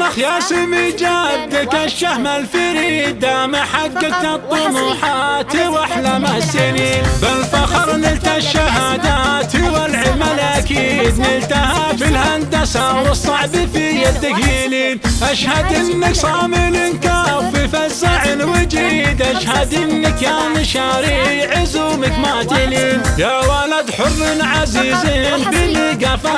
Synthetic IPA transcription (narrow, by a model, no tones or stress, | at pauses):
maxjasimid͡ʒabt̪ɪkaʃːahmalfɪɾiːd̪amaħaɡːak̚t̪at̪ˤːʊnuːħat̪iwaħlamasɪnibalfaxɑɾˤnɪlt̪aʃːaɦaːd̪aːt̪iwalʕɪlmalʔakiːd̪nɪlt̪ahafɪlhand̪asawɨsˤːɑʕbɪfijad̪ɪkjiliːnʔaʃhad̪ʔɪnːɪksˤɑːmɪlɪnkafifazːaʕɪnwɪd͡ʒiːd̪ʔaʃhad̪ʔɪnːɪkjaːnɪʃaːɾijʕɪzumɪkmaʔt̪ɪliːnjawalad̪ħʊrːɪnʕaziːzɪnbɪliɡafa